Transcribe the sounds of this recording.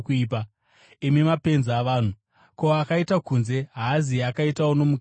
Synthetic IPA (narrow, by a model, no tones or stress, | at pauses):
kuiːpa | imimape̞nzːʋaːn̤u | ko̞akaitakunze̞ɦaːziakaitawono̞muk